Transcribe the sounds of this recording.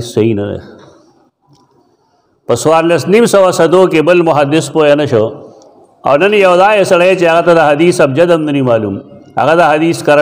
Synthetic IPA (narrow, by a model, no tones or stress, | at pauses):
sːɐɦinɐdḛ | pəsuwaːɾlɐsnimsɐwasɐd̪okebəlmʊɦɐd̪ɪspoenɐʃo | a̰wnɐnjɐwd̪aːjesɐɽɐet͡ʃeɦaɣat̪ad̪aɦɐd̪iːsɐb̚d͡ʒɐd̪ɐmnɐnimaːlumhɐ̰ɣad̪aɦɐd̪iːskɐɾ